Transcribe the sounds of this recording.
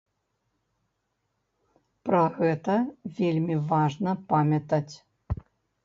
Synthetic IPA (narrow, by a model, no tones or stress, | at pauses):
pɾɐɣɛt̪ɐvʲelʲmʲivaʐnɐpamʲjɐt̪ɐt͡sʲ